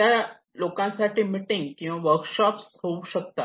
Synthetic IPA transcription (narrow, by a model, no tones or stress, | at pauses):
t̪ja | lokãnsaʈʰiːmiʈiŋɡkĩʋãʋəɾkɕɔpshouɕək̚t̪a